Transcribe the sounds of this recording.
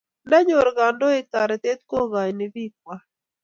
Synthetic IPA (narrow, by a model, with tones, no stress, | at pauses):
na˦ɲo˨ɾɡa˨ndɔ˦e˦ka˨ɾɛ˨t̪e˦t̪̚ko˦ɣa˨jnɪ˨vi˦k̚wa˦